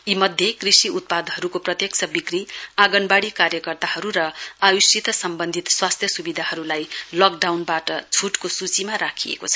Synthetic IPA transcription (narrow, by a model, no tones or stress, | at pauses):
imʌd̪ʱjekrisiut̪̚pad̪ʱɦʌɾukoprʌt̪jeksʌbikriaɡʌnbaɽikaɾjʌkʌrt̪ahʌɾuɾʌajusit̪ʌsʌmbʌnd̪ʱit̪swast̪ʰjʌsubid̪ʱaɦʌɾulajlʌk̚ɖawnbaʈʌt͡sʰuʈkosut͡simaɾakʰijḛkot͡sʰʌ